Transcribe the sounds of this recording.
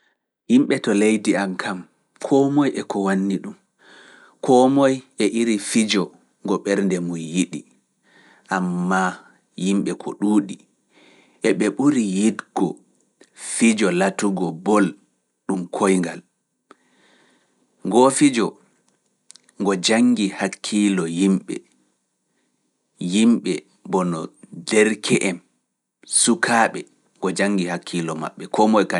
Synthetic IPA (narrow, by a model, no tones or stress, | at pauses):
himɓɛtɔlejdiamkʰam | kʰɔmɔjʔɛkɔwanːiɗum | kʰɔmɔjɛʔiɾifid͡ʒɔ | ŋɡɔɓɛɾndɛmujjiɗi | ʔamːa | jimɓɛkʰɔ̰ɗuːɗi | ʔɛɓɛɓuɾijidɡ̥ɔ̰ | fid͡ʒɔlatuɡɔbɔl | ɗumkʰojŋɡal | ŋɡofid͡ʒɔ | ŋɡɔd͡ʒaŋɡihakʰːilɔjimɓɛ̰ | jimɓɛ | bɔnɔdɛɾkʰɛʔɛm | sukʰaːɓɛ | ŋɡɔd͡ʒaŋɡihakʰːilɔma̰ɓːɛkɔmɔjka